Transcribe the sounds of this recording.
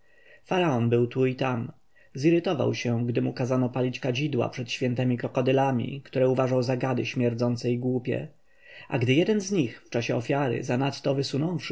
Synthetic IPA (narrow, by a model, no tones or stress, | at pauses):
faɾaɔnbɘwt̪uit̪am | ziɾɘt̪ɔva̰wɕɛɡd̪ɘmukazanɔpalʲit͡ɕkad͡ʑid̪wa̰pʂɛt̪ɕfʲjɛnt̪ɛmʲikɔkɔd̪ɛlamʲḭkt̪uɾɛuvaʐawzaɡad̪ɘɕmʲjɛɾd̪zɔnt̪sɛjɡwupʲjɛ̰ | ʔa̰ɡd̪ɘjɛd̪ɛnzɲixft͡ʂaɕɛɔfʲjaɾɘ̰zanat̪ːɔvɘsunɔ̃w̃fʂ